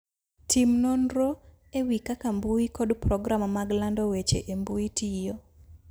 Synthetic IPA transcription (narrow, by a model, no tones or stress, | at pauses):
tʰimnɔnɾo | ewikakambuikɔdprɔɡɾamːaɡlandɔwet͡ʃḛʔembuitʰijo